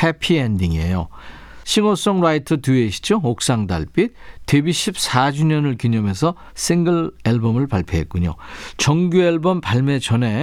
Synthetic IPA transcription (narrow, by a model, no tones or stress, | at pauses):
hepʰiendiŋe̞̰jo̰ | ɕʰiŋos͈ʌŋɾaitʰɯtueɕʰi̥d͡ʑook̚s͈aŋda̰ɭp͈it̚t͈ebiɕʰip̚s͈ad͡ʑuɲʌnɯɭkuɲʌme̞sʰʌ | sʰiŋɡɯɭeɭbomɯɭpaɭpʰjʌɦe̞̰t̚k͈uɲo̰t͡ɕʌŋɡjueɭbʌmpaɭme̞t͡ɕʌne̞